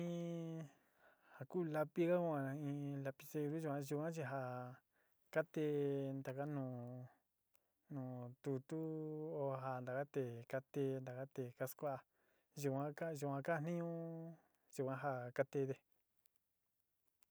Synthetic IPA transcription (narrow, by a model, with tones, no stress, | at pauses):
ĩ˧ | ha˨kuː˦˨la˧pi˦ka˦ku˦ã˧ã˧ĩː˧la˧pi̥˧se˧ɾu˦ʒu˨kʷã˧ʒu˧kʷã˦t͡ʃi˧ɦa˧ | ka˦t̪e˧˦nd̪a˨ka˦nũː˧˨ | nũː˨t̪u˧t̪u˦o˧ɦa˨nd̪a˨ka˦t̪e˨ka˧t̪e˧nd̪a˨ka˦t̪e˨ka˧˦skʷa˦a˧ | ʒu˧kʷã˧˦ka˦˧ʒu˨ã˧ka˦˧n̥ĩ˦ɲũ˦ | ʒ̥u˨kʷã˦ɦa˧ka˦t̪e˧ðe˧